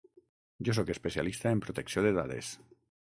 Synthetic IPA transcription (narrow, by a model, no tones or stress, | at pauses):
ɟ͡ʝos̬oje̞speθja̰list̪aempɾot̪e̞ksjod̪eðaðḛs